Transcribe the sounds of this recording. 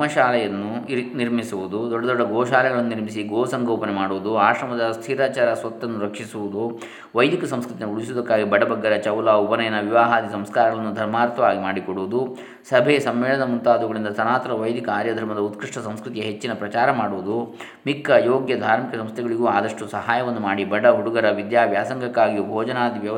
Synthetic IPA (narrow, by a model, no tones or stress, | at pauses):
mɐʃaːlɐjɐnːuniɾmisuʋud̪ud̪ɔɖːɐd̪ɔɖːɐɡɔːʃaːlɛɡɐɭɐnːuniɾmisiɡoːsɐŋɡoːpɐnɛmaːɽuʋud̪uaːʃɾɐmɐd̪ɐst̪ʰiːɾaːt͡ʃaːɾɐsʋɐt̪ːɐnːuɾɐkʂisuʋud̪u | ʋɐjd̪ikɐsɐmskɾut̪inuuɭisud̪ɐkːaːɡibɐɽɐbɐɡːɐɾɐt͡ʃɐwlaːupɐnɛjɐnːɐʋiʋaːɦaːd̪isɐmskaːɾɐɡɐɭɐnːud̪ʱɐɾmaːɾt̪ʰɐʋaːɡimaːɽikoɽuʋud̪u | sɐbʱeːsɐmːɛːɭɐnɐmunt̪aːd̪uɡɐɭind̪ɐsɐnaːt̪ɐɾɐʋɐjd̪ʱikɐaːɾjɐd̪ʱɐɾmɐd̪ɐut̪kɾiʂʈɐsɐmskɾut̪ijɐɦet͡ʃːinɐpɾɐt͡ʃaːɾɐmaːɽuʋud̪u | mikʰːɐjoːɡjɐd̪ʱaːɾmikɐsɐmst̪ʰɛɡɐɭiɡuaːd̪ɐʂʈusɐɦaːjɐʋɐnːumaːɽibɐɽɐɦuɽuɡɐɾɐʋid̪jaːʋjaːsɐŋɡɐkːaːɡijubʱɔːd͡ʒɐnaːd̪iʋjɐ